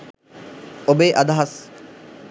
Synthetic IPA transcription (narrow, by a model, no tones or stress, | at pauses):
obeːʔad̪aɦas